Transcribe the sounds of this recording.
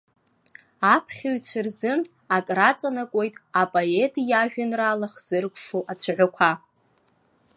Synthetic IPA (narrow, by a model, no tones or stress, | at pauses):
apʰχʲaɥt͡ɕʷʰɨrzɨn | akʼrat͡sʼanakʷʼo̞jtʼapʼoetʼjaʒᶣʊnraːlaχz̥ɨrkʷʰʼʂoʔat͡ɕʷʰʕʷakʷʰa